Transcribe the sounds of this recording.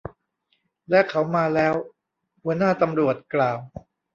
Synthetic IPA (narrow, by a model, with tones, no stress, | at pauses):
lɛ˦˥kʰa˦˥wmaː˧lɛː˦˥w | hu˧˥ənaː˥˩t̪a˧mɾu˨˩ət̪̚klaː˨˩w